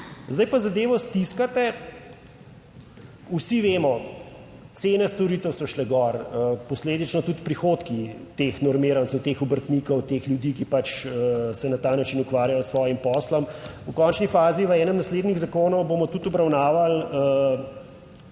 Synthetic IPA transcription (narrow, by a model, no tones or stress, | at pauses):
zd̪ajpazad̪eːʋɔst̪iskat̪ɛ | usiʋeːmɔ | t̪seːnɛst̪ɔɾiːt̪əwsɔʃlɛɡɔɾəpɔsleːd̪it͡ʃnɔt̪ut̪pɾixoːt̪kit̪exnɔɾmiːɾantsɛwt̪eːxɔbəɾt̪nikɔwt̪exlʲjud̪ikipat͡ʃəsɛnat̪aːnat͡ʃinukʋaɾjajɔsʋɔːjimpɔːslɔmukɔnt͡ʃnifaːziʋəɛːnəmnasleːd̪niɣzakoːnɔwbomɔt̪ut̪ɔbɾawnaːʋalə